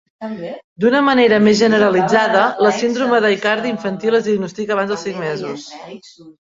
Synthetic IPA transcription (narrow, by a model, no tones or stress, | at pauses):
d̪unəməneɾəmezʒənəɾəlid͡zaðələsind̪ɾuməðəjkaɾðiiɱfənt̪ilˠəzðiəɡ̚nust̪ikəːβanzðəlˠsiŋmɛzus